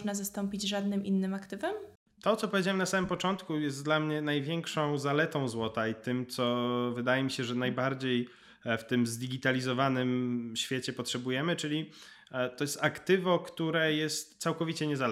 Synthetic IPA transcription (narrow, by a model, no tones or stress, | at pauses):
ʐnazast̪ɔmpʲid͡ʑʐad̪̚nɘmʔḭnːɘmakt̪ɘvɛm | t̪ɔt̪sɔpɔvʲed͡ʑawamnasamɘmpɔt͡ʂɔnt̪kujɛst̪̚d̪lamɲɛnajvʲjɛŋkʂɔ̃w̃zalɛt̪ɔ̃w̃zwɔt̪ait̪ɘmt̪sɔvɘd̪ajɛmʲiɕɛʐɛnajbaɾd͡ʑej | ft̪ɘmzd̪ʲiɡʲit̪alʲizɔvanɘmɕfʲjɛt͡ɕɛpɔtʂɛbujɛmɘt͡ʂɘlʲi | t̪ɔjɛst̪akt̪ɘvɔkt̪uɾɛjɛst̪sawkɔvʲit͡ɕɛɲɛzal